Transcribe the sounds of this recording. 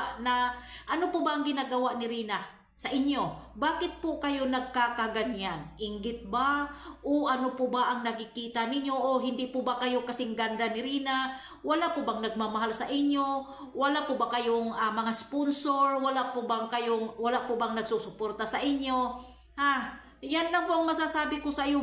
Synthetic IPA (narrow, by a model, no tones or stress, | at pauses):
naʔɐnopʊbaʔɐŋɡɪnaɡɐwaʔnɪɾiːna | sɐʔɪɲjo̞baːkɪt̪̚pʊkɐjonɐɡ̚kakaɡanjanʔɪŋɡɪt̪̚baʔoʔɐnopʊbaʔɐŋnɐɡɪkiːt̪anɪɲjoʔoɦɪnd̪ɪʔpʊbakɐjokɐsɪŋɡand̪anɪɾiːna | wɐlaʔpʊbaŋnɐɡ̚mamaɦalsɐʔɪɲjo | wɐlaʔpobakɐjoŋamɐŋasponsoɹwalaʔpobaŋkɐjoŋwɐlaʔpʊbaŋnɐɡsusʊpoɾt̪asɐʔɪɲjo̞ | ha | janlɐŋpoʔɐŋmɐs̬asaːbɪkosɐʔijo